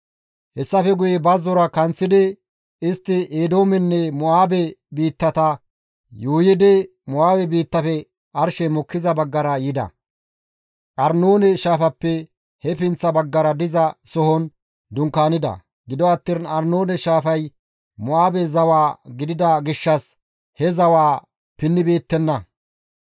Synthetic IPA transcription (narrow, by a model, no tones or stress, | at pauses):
hɛsːɐfɛɡʊjɛbɐzɔɾɐkɐnt͡sːɪd̪ɪ | ɪst̪ːɪʔeːd̪o̞ːmɛnːɛmʊaːbɛbiːt̪ːɐt̪ɐ | juːjɪd̪ɛ | mʊʔaːbɛbiːt̪ːɐfɛ | ɐɾʃɛmɔkːɪzɐbɐɡːɐɾɐjɪd̪ɐ̰ | ʔɐɾnoːnɛʃaːfɐpːɛ | hɛfɪnt͡sːɐbɐɡːɐɾɐd̪ɪzɐsɔhɔn | d̪ʊŋkaːnɪd̪ɐ̰ | ɡɪd̪ɔɐt̪ːɪnɐɾnoːnɛʃaːfɐj | mʊaːbɛzɐwaːɡɪd̪ɪd̪ɐɡɪʃːɐs | hɛzɐwaː | pɪnːɪbeːt̪ːɛnːɐ